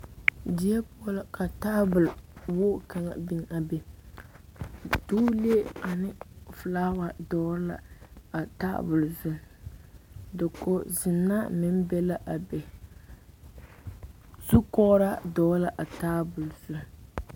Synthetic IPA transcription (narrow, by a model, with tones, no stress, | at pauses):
di˨˦ɛ˦pʊ˦lka˨taː˦bʊ˨lwʊ˦ka˨ŋa̰˨bi˨ŋa˨bɛ˨ | duː˦le˦a˨nɪ˦˨flaː˦wa˨dɔː˦la̰˨a˨ta̰ː˦bʊ˨lzʊ˦n | dɨ˨ko˨zɪ˨nːa˦mɪ˦n˦bɛ˦la˦ʔa˨bɛ˨ | zu˦kɔ˦ɾa˦dɔː˨˦la˨ʔa˨taː˦bʊ˨lzʊ˨n˨